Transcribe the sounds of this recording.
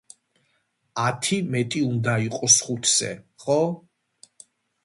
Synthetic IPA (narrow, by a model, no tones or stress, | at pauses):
at̪ʰimɛt̪ʼiund̪aiqʼɔsχut̪ʰsɛ̰χɔ